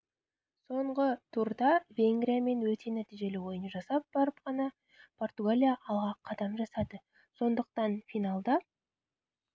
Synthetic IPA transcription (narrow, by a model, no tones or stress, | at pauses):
so̞ɴʁət̪ʰuɾd̪ɑvʲe̞ŋɡɾʲijame̞nwɵt̪e̞næt̪iʒe̞lɪwo̞jənʒɑsɑp̚b̥ɑɾəpqʰɑnɑ | pʰo̞rt̪uɡalʲijaʔːlˠʁɑqʰːɑd̪ɑmʒɑsɑd̪ə | so̞nd̪əq̚t̪ɑnfijnalˠd̪ɑ